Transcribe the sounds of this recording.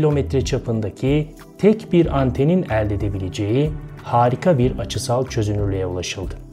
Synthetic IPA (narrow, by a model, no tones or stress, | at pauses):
ilʲo̞mɛt̪ɾɛt͡ʃʰapʰɯnd̪acʰi | t̪ʰɛcbiɾant̪ʰe̞ninælʲd̪e̞d̪e̞bilʲe̞d͡ʒe̞jihaːɾikʰabiɾat͡ʃʰɯsalˠt͡ʃʰø̞zynyɾlʲejɛulˠaʃɯlˠd̪ɯ